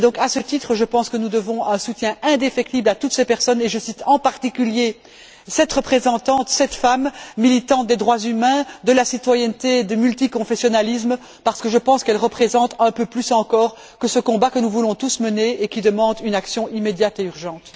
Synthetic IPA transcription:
d̪ɔ̃kasət̪it̪χəʒəpɑ̃skənud̪əvɔ̃ɛ̃sut̪jɛ̃ɛ̃d̪efɛk̚t̪iblat̪ut̪sepɛʁsɔneʒəsit̪ʰɑ̃paʁt̪ikʲylje | sɛt̪ʁəpχezɑ̃t̪ɑ̃t̪sɛt̪famːilit̪ɑ̃t̪̚d̪ed̪ʁwazymɛ̃d̪əlasit̪wajɛnt̪ed̪emylt̪ikɔ̃fesjɔnalis̬m | paʁsə̥kəʒəpɑ̃skɛlʁəpχezɑ̃t̪ɛ̃pøplysɑ̃kɔːʁ | kəsəkɔ̃bakənuvulɔ̃t̪usməneekʲid̪əmɑ̃d̪ynaksjɔ̃imed̪jat̪eyʁʒɑ̃ːt̪

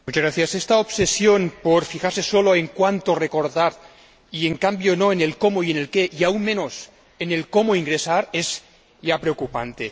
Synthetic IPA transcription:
mut͡ʃaɣɾaθjasest̪aopsesjonpoɾfixaɾsesoloeŋkwant̪oreko̞ɾðaɾ | ieŋkambjonoenelkomoiene̞lkeʔiaunmẽ̞nos | ene̞lko̞moiŋɡɾesaɾez | japɾeokupant̪e̞

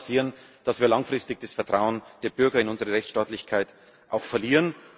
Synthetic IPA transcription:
siːʁənd̥asv̥iːɐlaŋfʁ̥ɪstɪç̚d̥asfɛɐtʁ̥aʊənd̥eːɐbʏɐɡɐɪnʊnzəʁəʁɛçt͡sʃtaːtlɪçkʰaɪt | ʔaʊxfɛɐliːʁən

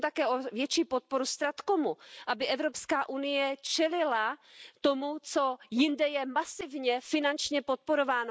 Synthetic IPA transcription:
t̪akɛːʔovjɛt͡ʃiːpot̪̚po̞ɾust̪ɾat̪komuʔabɪʔɛvɾopskaːʔunɪjɛt͡ʃɛlɪlat̪o̞mut͡so̞jɪndɛjɛmasɪvɲɛfɪnant͡ʃɲɛpot̪̚poɾo̞vaːno

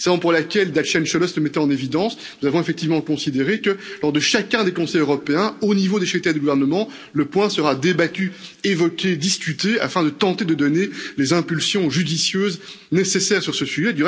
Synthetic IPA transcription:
savɔ̃puʁlakʲɛld̪at̪ʃɛnʃɔlɔsləmɛt̪ɛɑ̃nevid̪ɑ̃s | nuzavɔ̃efɛk̚t̪ivmɑ̃kɔ̃sid̪eʁekəlɔʁd̪əʃakʲɛ̃d̪ekɔ̃sɛjøʁɔpeɛ̃onivod̪eʃit̪ɛd̪əɡuvɛʁnəmɑ̃ | ləpwɛ̃səʁad̪ebat̪yevɔkʲed̪iskʲyt̪ea̰fɛ̃d̪ət̪ɑ̃t̪ed̪əd̪ɔnelezɛ̃pylsjɔ̃ʒyd̪isjøːz | nesesɛːʁsyʁsəsyʒɛd̪yʁ

